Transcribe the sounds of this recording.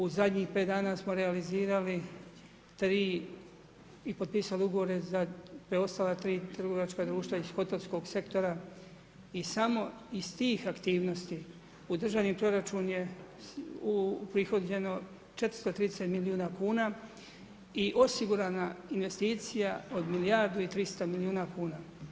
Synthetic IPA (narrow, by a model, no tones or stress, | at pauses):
uzad̪ɲiːxpe̞ːt̪d̪aːnaːsmo̞ɾealiziːɾali | t̪ɾiː | ipod̪piːsaliuɡo̞ʋo̞ɾe̞zapɾeo̞st̪aːlˠat̪ɾiːt̪ɾr̩ɡo̞ʋat͡ʃkad̪ɾuːʃt̪ʋaisxo̞t̪elsko̞ɡse̞kt̪o̞ɾa | isamo̞ | ist̪iːxakt̪iːʋno̞st̪i | ud̪r̩ʒaʋnipɾo̞ɾat͡ʃunje̞ | upɾixo̞d̪e̞no̞ | t͡ʃe̞t̪ɾ̥st̪ot̪ɾiːd̪eset̪miliuːnakuːna | iʔo̞siɡuɾaːnainʋe̞st̪iːt̪sijao̞d̪milijaɾd̪uit̪ɾist̪amiliuːnakuːnaː